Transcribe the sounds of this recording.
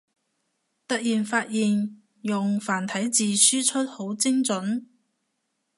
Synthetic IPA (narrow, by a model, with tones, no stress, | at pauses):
t̪ɐ˥k̚jiː˨nfaː˧t̚jiː˨n | jʊ˨ŋfaː˨˩nt̪ʰɐ˨˥jt͡siː˨syː˥t͡ʃʰɵ˥t̚ho˨˥wt͡sɪ˥ŋt͡sɵ˨˥n